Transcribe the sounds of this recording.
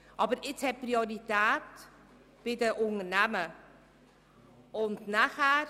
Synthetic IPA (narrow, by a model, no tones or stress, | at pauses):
ʔɑːbəɾɪt͡shɛpːrioɾitɛːt | b̥ɪdəʔʊŋənɛmə | ʊntnaχær